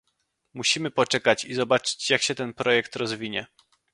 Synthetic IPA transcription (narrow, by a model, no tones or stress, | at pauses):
muɕimɘpɔt͡ʂɛkat͡ɕizɔbat͡ʂɘ̥t͡ɕjakɕɛt̪ɛnpɾɔjɛkt̪ɾɔzvʲiɲɛ